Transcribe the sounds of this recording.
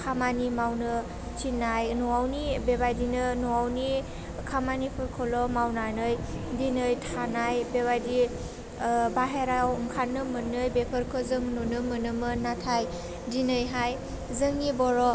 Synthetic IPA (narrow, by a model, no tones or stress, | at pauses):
kʰamanimawnɯ | t͡ʃinːajnɔawnibebajdinɯnɔawni | kʰamanipʰɯɾkʰɔlɔmawnanɯj | dinɯjtʰanajbeβajdi | baɦeɾawŋkʰanːɯmɯnːɯjbepʰɯɾkʰɯzɯŋnɔnɯmɯnɯmɯnatʰaj | dinɯjɦaj | zɯŋnibɔɾɔ